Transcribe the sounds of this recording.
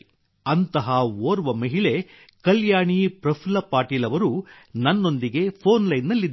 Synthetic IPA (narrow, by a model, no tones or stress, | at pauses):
ɐnt̪ɐɦɐoːɾʋɐmɐɦiɭe̞ | kɐljaːɳipɾɐpʰilɐpaːʈiːlɐʋɐɾunɐnːo̞nd̪iɡe̞pʰoːnlɐjnːɐlːid̪ː